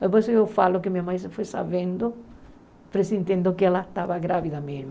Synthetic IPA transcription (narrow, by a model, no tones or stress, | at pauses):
epojsewfalʊkɪmiamais̬ɪfojsaβẽnd̪ʊ | pɾesĩnt̪ẽnd̪ʊkɪɛlast̪aβaɣɾaβiðɐmezma